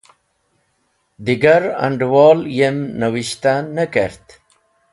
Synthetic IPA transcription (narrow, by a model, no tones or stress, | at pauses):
d̪iɡɐɾɐ̰̃ɳɖwɔːljemnəwiɕt̪anəkeɾt̪